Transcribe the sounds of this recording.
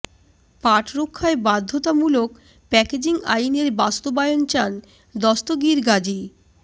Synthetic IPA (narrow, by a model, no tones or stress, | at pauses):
paʈɾokʰːaebad̪ʱːot̪amulok | pɛked͡ʑiŋa̰jneɾbast̪obajont͡ɕan | d̪ɔst̪oɡiɾɡad͡ʑi